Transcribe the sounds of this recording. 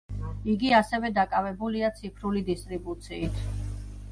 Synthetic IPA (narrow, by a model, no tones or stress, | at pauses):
iɡiasɛvɛd̪akʼavɛbuliat̪sʰipʰɾulid̪ist̪ʼɾibut̪sʰiːt̪ʰ